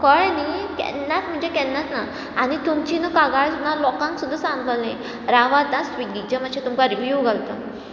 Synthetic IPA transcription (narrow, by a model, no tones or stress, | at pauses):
kəɭnikɛ̰nːat̪m̤əɳd͡zekɛnːat̪na | añit̪umt͡ɕinəkaɡaɭsunːalɔkãŋksud̪ʱːasãŋɡʱəlnẽ | ɾaʋad̪ãsʋiɡid͡ʑəm̤əɕet̪umkaɾiʋjuɡʱalt̪ə